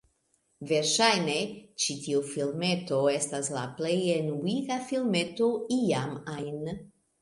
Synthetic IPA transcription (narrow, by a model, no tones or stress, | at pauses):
ve̞ɾʃajnet͡ʃitiufilme̞to̞e̞stasla̰plejenuiɡafilme̞to̞iaman